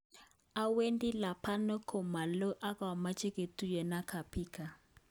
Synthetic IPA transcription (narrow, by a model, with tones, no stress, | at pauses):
a˦we˦ndi˦la˨pʰa˦nɔ˦kʰɔ˨ma˨lɔ˦ʔa˦ka˨wa˨ma˦t͡ʃʰʼi˦kʼe˨tu˦jɛ˨na˦kʰa˨pʰiːkʰa˨